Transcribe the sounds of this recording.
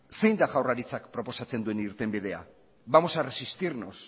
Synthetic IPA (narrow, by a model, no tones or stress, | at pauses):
se̞jnd̪aɣawraɾit͡sakpɾo̞po̞sat͡se̞nd̪ue̞niɾt̪e̞mbið̞e̞a̰ | βamo̞saresist̪iɾnos